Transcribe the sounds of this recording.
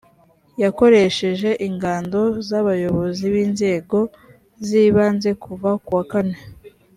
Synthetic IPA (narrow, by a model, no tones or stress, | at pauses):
jako̞ɾe̞ʃe̞ʒe̞ʔiŋɡaːndo̞zaβajo̞βo̞ziβiːnze̞ːɡo̞ | ziːβaːnze̞kuvakuwakane̞